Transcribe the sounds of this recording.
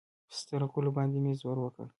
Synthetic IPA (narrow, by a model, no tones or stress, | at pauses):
pə̥st̪əɾakulobɑnd̪emezwəɾwəkə̰l